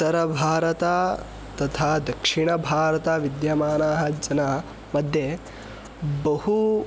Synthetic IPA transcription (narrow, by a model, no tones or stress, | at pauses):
ɐɾɐbʱaːɾɐt̪aː | t̪ɐt̪ʰaːd̪ɐkʂiɳɐbʱaːɾɐt̪aʋid̪jɐmaːnaːɦɐd͡ʒɐnɐ | mɐd̪ʱje | bɐɦu